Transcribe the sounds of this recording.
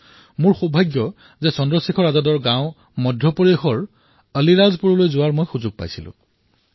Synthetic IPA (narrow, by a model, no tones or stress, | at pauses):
mʊɹxubʱaɡjɔ | zɛsɔndɹɔsikʰɔɹazɔdɔɹɡãʊ̃ | mɔdʱjɔpoɹiexɔɹ | əliɹazpuɹɔlojzʊaɹmojxuzʊɡ̚pa̰jsilʊ̰̃